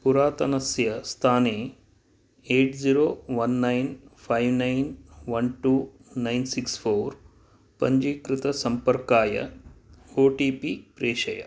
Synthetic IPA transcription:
puɾaːt̪ɐnɐsjɐst̪ʰaːneː | eːʈziɾoːʋɐnːɐjnpʰajʋnɐjnʋɐnʈuː | nɐjnsikspʰoːɾ | pɐɲd͡ʒikɾɪt̪ɐsɐmpɐɾkaːjɐ̰ | oːʈiːpipɾeːʃɐjɐ̰

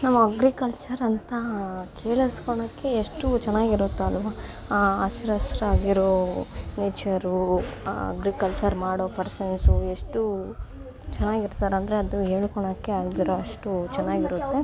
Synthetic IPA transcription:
nɐmːɐɐɡɾikɐlt͡ʃɐɾɐnt̪ɐkʰeːɭiskɔɳɐkːe̞ːʂʈut͡ʃɛnːaːɡiɾut̪ːeɐlːʋaː | ɐsiɾɐsɾaːɡiɾoneːt͡ʃɐɾuɐ̰ɡɾikɐlt͡ʃɐɾmaːɽoːpɐɾsɐnsueʂʈu | t͡ʃɛnːaːɡiɾt̪aːɾeɐnd̪ɐɾeɐd̪uɦeːɭkoɳɐkːe̞aːɡid̪ɐɾoɐʂʈut͡ʃɛnːaːɡiɾut̪ːe

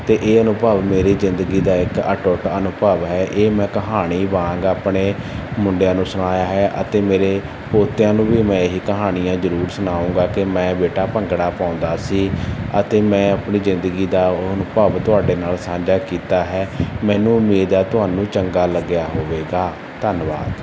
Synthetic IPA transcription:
t̪eːʔeːənʊbəːʋmeːɾiːzɪnd̪əɡiːd̪aːɪkə̰ʈoʈənʊpəʋɦɛːʔeːmɛ̃ːkəɦaːɽ̃iːbaːãːŋɡaːpɽeːmʊɳɖjãːnũːsʊɽ̃aːjaːɦɛːʔə̰t̪eːmeːɾeː | poːt̪jãːnũːbiːmɛ̃ːɦiːkəɦaːɽ̃ɪjãːzəɾuːɾsʊnaːũːɡaːkɪmɛ̃ːbeːʈaːpəŋɡɽaːpãːʊ̃nd̪aːsiːə̰t̪eːmɛ̃ːapɳiːzɪnd̪əɡiːd̪aːnʊpəʋt̪ʊaːɖeːnaːlsãːɲd͡ʒaːkiːt̪aːɦɛːmɛ̃ːnũːʊmeːd̪aːt̪ʊɦaːnũːt͡ʃəŋɡaːləɡjaːɦoːʋeːɡaː | t̪ənba̰ːd̪

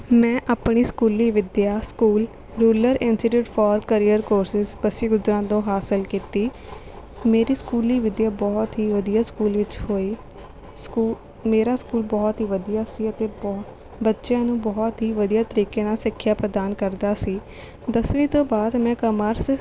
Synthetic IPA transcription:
mɛ̃ːʔaːpɳiːskuːliːʋɪd̪jaːskuːl | ɾuːləɾɪnsɪʈjuːʈfʰɔːɾkəɾiːəɾkoːɾsɪzbəsiːɡʊzɾãːd̪õːɦaːsɪlkiːt̪iː | meːɾiːskuːliːʋɪd̪jaːbɔːt̪ɦiːʋəd̪ijaːskuːlʋɪt͡ʃhoːiː | skuː | meːɾaːskuːlbɔːt̪ɦiːʋəd̪ijaːsiːət̪eːb | bətːʃjãːnũːbɔːt̪ɦiːʋəd̪ijaːt̪əɾiːkeːnaːsɪkʰːjaːpɾəd̪aːnkəɾd̪aːsiː | d̪əsʋĩːt̪õːbaːd̪mɛ̃ːkəməɾs

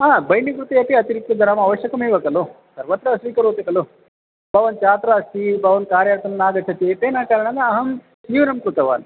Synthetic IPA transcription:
aːbɐjnikɾut̪iɐpiɐt̪iɾik̚t̪ːɐd̪ɐnaːmɐʋɐʃjɐkɐmiʋɐkɐlu | sɐɾʋɐt̪ɾɐsʋiːkɐɾuːt̪ikɐlu | bɐʋɐnt͡ʃaːt̪ɾaːsibɐʋɐnkaːɾjɐɾt̪ɐnɐnaːɡɐt͡ʃʰɐt̪et̪eːnaːkaːɾɐɳɐnɐːɦɐm | siːʋɐnɐmkɾut̪ɐʋa̰ːn

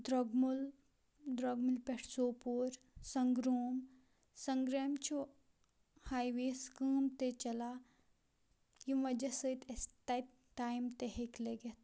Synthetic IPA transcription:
d̪ɾoɡmul | d̪ɾoɡmilpeʈʰsoːpoːɾ | sɐŋɡɾoːm | sɐŋɡɾamt͡ʃʰu | hajʋeskəːmt̪et͡ʃɐla | jimʋɐd͡ʒɐsəit̪est̪at̪ | ʈːajmt̪eɦekleɡet̪

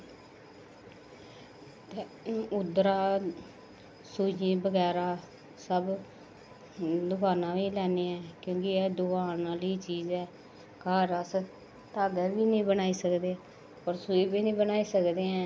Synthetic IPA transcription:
t̪eː | ʊd̪ɾaː | suiːbəɡɛːɾaː | səb | d̪ʊkaːnãːʋiːlɛːneːɛ̃ːkjõːkɪɛːd̪ʊkaːnaːliːt͡ʃiːzɛː | kaːɾəs | t̪aːɡ̪ɛːbiːnəĩːbənaːiːsəkd̪eːɛː | pəɾsuiːbiːnĩːbənaːiːsəkd̪eːɛ̃ː

